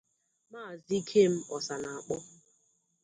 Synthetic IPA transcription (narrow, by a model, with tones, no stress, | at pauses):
maː˦˨zi˦kʰe˦m̩˦ɔ˨sa˨na˨a˨k͡pɔ˦